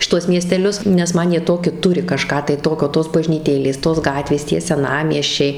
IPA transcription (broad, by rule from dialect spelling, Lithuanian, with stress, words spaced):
ʃʲɪˈtuɔs mʲiɛsʲtʲɛˈlʲʊs nʲɛs ˈmɐn jiɛ ˈtoːkʲɪ ˈtʊrʲɪ kɐˈʃkɑː tɐɪ ˈtoːkʲoː toːs bɐʒʲnʲiːˈtʲeːlʲeːs toːs ˈɡɑːtʲʋʲeːs tʲiɛ sʲɛˈnɑːmʲiɛsʲt͡ʃʲɛɪ